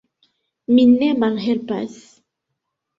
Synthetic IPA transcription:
minɛmaŋɦɛlpa̰s

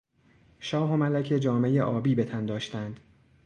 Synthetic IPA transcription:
ʃɒːɦomælæcʰed͡ʒɒːme̞jeʔɒːbiːbe̞t̪ʰænd̪ɒːʃt̪ænd̪̥

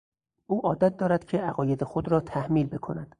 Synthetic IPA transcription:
ʔuːʔɒːd̪æt̪̚d̪ɒːɾæd̪̥cʰe̞ʔæɣɒːjed̪exod̪ɾɒːt̪ʰæhmiːlbe̞kʰonæd̪̥

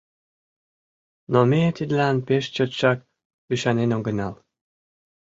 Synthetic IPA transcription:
nomet̪id̪lɑnpeʃt͡ɕot̪ʃɑk | yʃɑnenoɡə̆nɑl

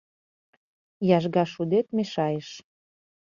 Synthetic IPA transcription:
jɑʒɣɑʃud̪et̪meʃɑjəʃ

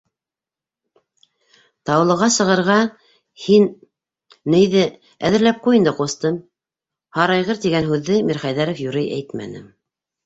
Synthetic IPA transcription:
t̪ɑw̆lˠɤ̆ʁɑsɤ̆ʁɤ̆ɾʁɑ | hinː | ɘ̆jðɘ | æðɘ̆ɾlæp̚qujɤ̆nd̪ɤqust̪ɤm | hɑɾɑjʁɤɾt̪iɡænɦʉðːɘmiɾχæjðæɾŏfjuɾɘjʔæ̰jt̪mæ̰nɘ̰

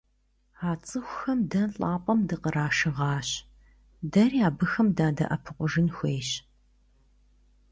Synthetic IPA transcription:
aːt͡sʼɨxʷxɐmdɐnɬʼaːpʷʼɐmdɨqəɾaːʃɨʁɑːɕ | dɐriaːbɨxɐmdaːdɐ̰ʔɐpʰɨqʷʊʒɨnxʷeːɕ

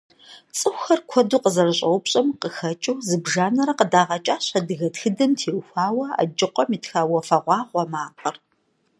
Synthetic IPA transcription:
t͡sʼɨxʷxɐrkʷʰɔduːqəzɐrɨɕʼɐwpɕʼɐmqəxɐt͡ʃʼɐwzɨbʒaːnɐɾɐqədaːʁɐt͡ʃʼaːɕɐdɨɣɐtxɨdɐmtʰeːwxʷaːwɐa̰d͡ʒɪqʷʼɔmiːtxaːwɐfɐʁʷɑːʁʷɔmaːqʼɐr

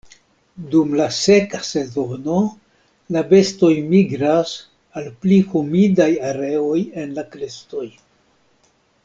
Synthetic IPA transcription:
dumlase̞kase̞zo̞no̞ | labe̞sto̞jmiɡɾas | alplihumidajaɾe̞o̞jenlakɾesto̞j

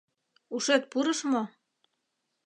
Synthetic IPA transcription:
uʃĕt̪̚puɾɤ̆ʃmo

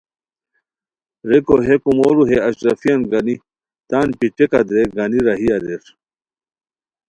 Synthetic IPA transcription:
ɾekoɦekumoɾuɦeɐɕɾɐfijɐnɡɐni | t̪aːnpiʈ͡ʂekɐd̪ɾeɡɐniɾɐɦiɐɾeɾ

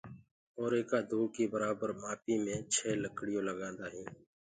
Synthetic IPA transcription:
oːɾeːkaːd̪ʱuːkiːbəɾaːbəɾmaːpiːmẽːt͡ʃʰeːləkɽɪjõːləɡãːnd̪aːɦĩː

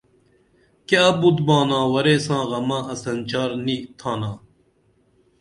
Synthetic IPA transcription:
keɐbud̪bãːnãːwɐɾeːsãːɣɐmãːɐsɐnt͡ɕaːɾniːt̪ʰãːnãː

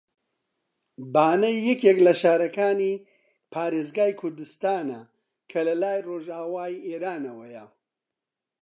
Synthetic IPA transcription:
baːnɐjːɐkjeklɐʃaːɾɐkaːni | pʰaːɾeːzɡaːjkʰʊɾd̪ɨst̪aːnɐ | kʰɐlɐlaːjroːʒaːwaːieːɾaːnɐwɐjɐ

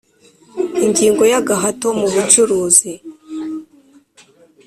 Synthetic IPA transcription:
iɲɟiːŋɡo̞jaɡaɦato̞muβut͡ʃuɾuːzi

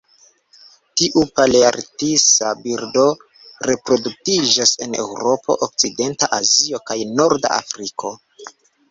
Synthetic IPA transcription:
tiʔupaleaɾtisabiɾdo̞ | ɾe̞pɾo̞duk̚tid͡ʒase̞ne̞̰wɾo̞pʰo̞̰ʔok̚t͡side̞ntaʔazio̞kajno̞ɾda̰a̰fɾikʰo̞

